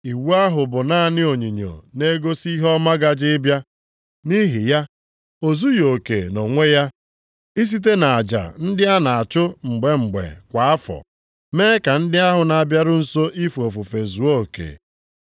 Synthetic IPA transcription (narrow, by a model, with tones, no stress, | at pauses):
i˨wu˦a˦ɦʊ˨bʊ˨na˦˨nɪ˦o˨ɲi˨ɲo̰˨ne˦ɡo˦si˦ɦɔ˦ma˦ɡa˦d͡ʒɪ˦bja˦ | ni˦ɦi˨ja˦ | o˨zu˦jo˨kḛ˨no˨ŋʷe˦ja˦ | i˦s̬i˦t̬e˦na˨a˨d͡ʒa̰˨n̩˦dɪ˦a˦na˨a˨t͡ʃʊ˦ŋ͡m̩˨ɡ͡be˨ŋ͡m̩˨ɡ͡bḛ˨kʷa˨a˦fɔ̰˨ | meː˦ka˨n̩˦dɪ˦a˦ɦʊ˨na˨a˨bja˦ɾʊ˦n̩˨so˦ʔi˦fo˨fu˨fe˨zu˨˦o˦˨kḛ˨